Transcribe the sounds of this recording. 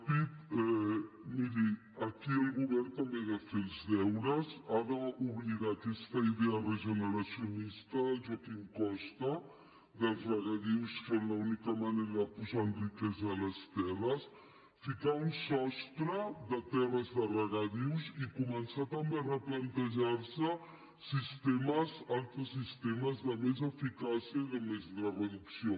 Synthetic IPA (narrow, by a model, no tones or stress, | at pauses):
pit̪ɛ | miɾi | əkiəlˠɣuβɛɾnt̪əmbeðafelˠzðɛwɾəzaðəuβliɣat̪ɛst̪əiðeərəʒənəɾəsiunist̪əðəlˠʒɔkiŋkɔst̪ə | ðəlˠzrəɣaðiwsfemlaunikəmaneɾəðəpuzaənrikɛzaːləst̪ɛrəs | fikaunsɔst̪ɾəðət̪ɛrəzðərəɣaðiwzikumənsat̪əmberəplənt̪əʒaɾsə | sist̪eməzalˠt̪ɾəsːist̪eməzðəmezəfikasiəiðəmezlərəðuksio